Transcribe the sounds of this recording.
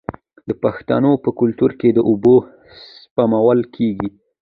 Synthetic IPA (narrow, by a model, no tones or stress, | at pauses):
d̪əpaxt̪a̰nopəkʊlt̪uɾked̪əʔʊbo | spamawalkʰeɡi